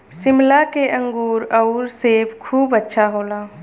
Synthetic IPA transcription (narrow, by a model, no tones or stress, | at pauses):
sɪmlakeʔə̃ŋɡuːɾɔʊɾseːpʰkʰuːbətːʃʰaɦoːlaː